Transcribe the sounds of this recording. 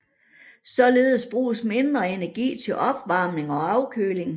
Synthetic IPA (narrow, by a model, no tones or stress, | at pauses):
sɒ̽le̝ːð̞ˠsb̥ʁṵːsme̝nd̥ʁɐe̝næɐɡ̥ḭːt͡sʰe̝lʔɒ̽b̥ʋɑ̈ːmne̝ŋɒ̽ɑ̈ʊkʰø̰ːle̝ŋ